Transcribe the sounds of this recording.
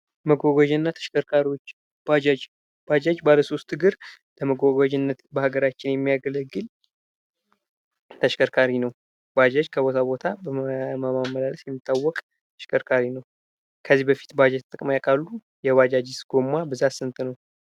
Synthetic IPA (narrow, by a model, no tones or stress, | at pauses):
məɡaɡad͡ʒnːat̪ʰəʃkəɾkʰaɾiwot͡ʃː | bad͡ʒad͡ʒ | bad͡ʒad͡ʒbaləso̞st̪ɨɡɨɾ | ləməɡaɡad͡ʒɪnːət̪bəhaɡəɾat͡ʃːɪnjɛmːijaɡələɡːɨl | t̪ʰəʃkəɾkʰaɾinəw | bad͡ʒad͡ʒkʰəbo̞t̪ʰabo̞t̪ʰabəməmaməlaləsjɛmːit̪ʼːawːɔkʼ | t̪ʰə̥ʃkʰəɾkʰaɾinəw | kʰəzːihbəfi̥t̪bad͡ʒat̪ʼɨkʼmajakʼalːu | jɛwad͡ʒad͡ʒɪsɡ̥o̞mːabɨzat̪sɨnt̪ʰʼnəw